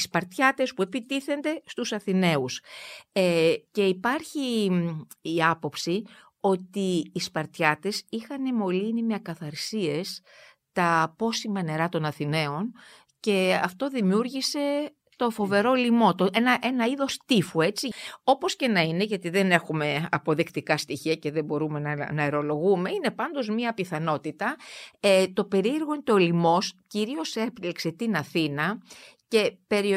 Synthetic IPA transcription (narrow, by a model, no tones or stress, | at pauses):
ispɐɾt̪çɐt̪e̞spue̞pit̪iθe̞nd̪e̞st̪usɐθine̞usece̞ipɐɾçiː | ɐpo̞psi | o̞t̪iːspɐɾt̪çɐt̪e̞sixɐnemo̞linimeɐkɐθɐɾsie̞s | t̪ɐpo̞simɐne̞ɾɐt̪o̞nɐθine̞o̞n | ce̞ɐft̪o̞ðimiuɾʝise̞ | t̪o̞fo̞ve̞ɾo̞limo̞t̪oenɐʔe̞nɐiðo̞st̪ifue̞t͡sio̞po̞sce̞nɐine̞ʝɐt̪iðe̞ne̞xume̞ɐ̰po̞ðikt̪ikɐst̪içiɐce̞ðe̞bo̞ɾume̞nɐnɐeɾo̞lo̞ɣume̞ine̞pɐnd̪o̞zmɲɐpiθɐno̞t̪it̪ɐet̪o̞pe̞ɾieɾɣoint̪olimo̞sciɾio̞seplikse̞t̪inɐθinɐce̞pe̞ɾi